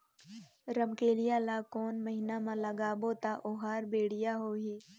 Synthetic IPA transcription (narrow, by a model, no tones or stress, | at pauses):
ɾəmkeːlɪjalaːkoːnməɦɪnamãlɐɡaːboːt̪aʔoɦaːɾbeːɽɪjaɦoːɦeː